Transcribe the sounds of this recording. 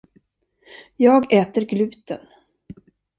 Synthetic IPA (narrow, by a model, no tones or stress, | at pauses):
jɑːɡɛːt̪əɾɡlʉ̟ːt̪ə̰n